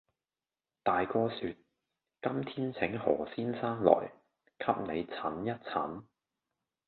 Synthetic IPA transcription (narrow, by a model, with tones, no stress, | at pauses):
t̪aː˨jkɔː˧syː˧t̚ | kɐ˥mt̪ʰiː˥nt͡sʰɪ˨˥ŋhɔ̰ː˨˩siː˥nsaː˥nlɔ̰ː˨˩j | kʰɐ˥p̚ne˨˧jt͡sʰɐ˨˥njɐ˥t̚t͡sʰɐ˨˥n